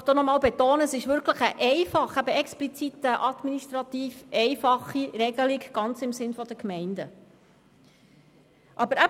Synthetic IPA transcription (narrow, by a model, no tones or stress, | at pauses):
d̥oːnɔmɑːlbɛt̪oːnəsɪʃʋʏɾkʰləχəʔɛɪfɑχæbəɛksplit͡sit̪əʔɑd̪miniʃtɾɑt̪iːfɛɪfɑχiɾɛɡəliɡɡ̥ɑnt͡sɪmsɪnfɔd̥̪əkmɛɪnd̥̪ə | ʔɑbəɾæ